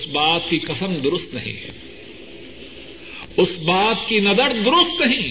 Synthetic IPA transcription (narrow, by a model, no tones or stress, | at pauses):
sbaːt̪̚kiqɐsəmd̪ʊɾʊst̪nɐɦḭ̃ː | ʊsbaːt̪kinɐd̪əɽd̪ʊɾʊst̪nɐɦĩː